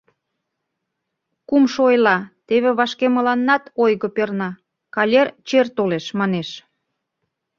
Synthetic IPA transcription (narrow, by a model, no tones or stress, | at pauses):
kumʃoojlɑt̪eβeβɑʃkemə̆lɑnːɑt̪ojɣɤpernɑ | kɑlʲert͡ɕert̪oleʃmɑneʃ